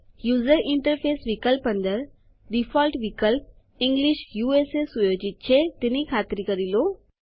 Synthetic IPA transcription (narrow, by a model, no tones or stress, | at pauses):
juːzəɾɪ̃ɳʈəɾpʰeːsʋɪkəlpɦə̃nd̪əɾ | ɖifʰɔːlʈʋɪkəlp̚ | ɪ̃ŋɡlɪʃjuːeːsesujod͡ʑit̪̚t͡ɕʰet̪ɪnikʰaːt̪ɪɾikəɾiloː